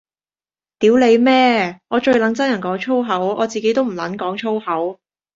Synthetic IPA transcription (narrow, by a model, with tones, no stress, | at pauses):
t̪iː˨˥wle˨˧jmɛː˥ŋɔː˨˧t͡ʃɵ˧ɥlɐ˨˥nt͡sɐ˥njɐ˨˩kɔː˨˥ŋt͡ʃʰo˥wɦɐ˨˥wʔɔː˨˧t͡siː˨ke˨˥jt̪o˥wm̩˨˩lɐ̰˨˥nkɔː˨˥ŋt͡ʃʰo˥whɐ˨˥w